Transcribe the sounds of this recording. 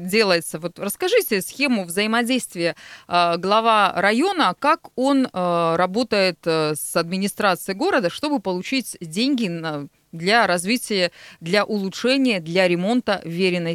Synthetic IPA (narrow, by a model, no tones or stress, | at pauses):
dʲe̞lˠəjɪt̪səvo̞t̪rəskɐʐɨtʲɪsxʲe̞mʊvzəjɪmɐdʲejst̪vʲɪjəɡlˠɐvaɾɐjo̞nəkako̞nɾɐbo̞t̪əjɪt̪sɐd̪mʲɪnʲɪst̪ɾat̪sɨjɪɡo̞ɾəd̪əʂt̪o̞bɨpəlˠʊt͡ɕitʲdʲenʲɡʲɪ | d̪lʲaɾɐzvʲitʲɪjəd̪lʲɐʔʊlˠʊtʂɛnʲɪjəd̪lʲɐɾʲɪmo̞nt̪əvʲeɾʲɪnːə